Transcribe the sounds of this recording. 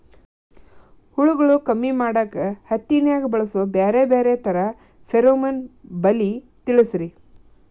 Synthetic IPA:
huɭuɡɐɭukɐmːimaːɽɐkːehɐt̪ːinjaːɡɐbɐɭɐsobeːɾebeːɾet̪ɐɾɐ | fʰeɾoːmɐnbɐli | t̪iɭisɾi

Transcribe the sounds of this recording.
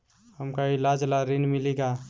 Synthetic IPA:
həmkailad͡ʒlaɾinmiliɡa

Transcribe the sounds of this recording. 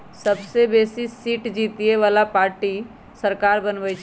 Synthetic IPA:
sɐbsebeːsisiːʈd͡ʒiːt̪ieʋaːlapaːɾʈi | sɐɾkaːɾbɐnʋəjt͡ʃʰ

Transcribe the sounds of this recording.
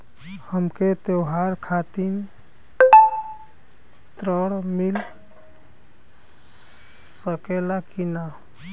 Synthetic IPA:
həmket̪ewɦaɾkʰat̪in | t̪ɾəɽmil | səkelakina

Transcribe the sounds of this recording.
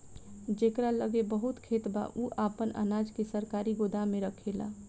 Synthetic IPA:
d͡ʒekɾaləɡebəɦut̪kʰet̪ba̰ʔuʔaːpəna̰naːd͡ʒkesəɾkaːɾiɡod̪amẽɾəkʰela̰

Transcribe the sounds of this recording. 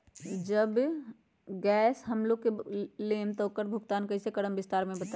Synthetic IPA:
d͡ʒɐb | ɡɛːsɦɐmloːɡ̚keleːmt̪okəɾbʱʊɡt̪aːnkɐisekɐɽəmʋɪst̪aːɾmẽbɐt̪a

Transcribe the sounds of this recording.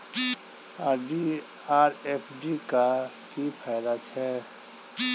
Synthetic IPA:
aːɾɖi | aːɾepʰɖika | kipʰaɪd̪at͡ʃʰɛ

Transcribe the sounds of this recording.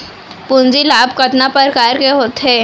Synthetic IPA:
pʊnd͡ʒilaːbkɐt̪napɐɾkaːɾkeɦoːt̪ɦeː

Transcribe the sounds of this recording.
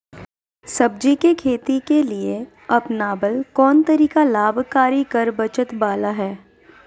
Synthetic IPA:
sɐb̚d͡ʒikekʰeːt̪ikelie | ɐpnaːbəlkɔːnt̪ɐɾiːkalaːbʱkaːɾikɐɾbɐt͡ʃət̪baːlaɦɛː

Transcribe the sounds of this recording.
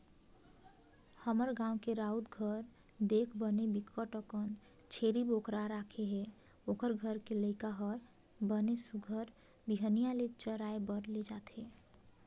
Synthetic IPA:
həməɾɡãũkeɾaud̪ɡʱəɾ | d̪ekʰbənebikʰəʈəkən | t͡ʃʰeɾibokɾaɾakʰeɦe | okəɾɡʱəɾkeləɪkaɦəɾ | bənesuɡʱəɾ | biɦənijalet͡ʃəɾaebəɾled͡ʒat̪ʰɦe

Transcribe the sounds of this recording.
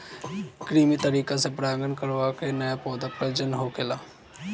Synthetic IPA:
kɾiːmit̪əɾiːkasepɾaːɡənkəɾʋakenəjapɔːd̪apɾəd͡ʒənɦokelaː

